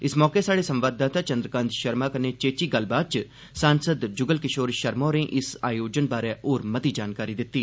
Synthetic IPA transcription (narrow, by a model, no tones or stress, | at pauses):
ɪsmɔːkeːsaːɽeːsə̃mʋaːd̪aːt̪aːt͡ʃə̃nd̪ɾəkãːnd̪ʃəɾmaːkəneːt͡ʃeːt͡ʃiːɡəlbaːd̪̚t͡ʃ | sãːnsəd̪d͡ʒʊɡəlkɪʃoːɾʃəɾmõːnẽːʔɪsaːjoːd͡ʒənbaːɾɛːʔoːɾmət̪iːd͡ʒaːnkaːɾiːd̪ɪt̪ːiː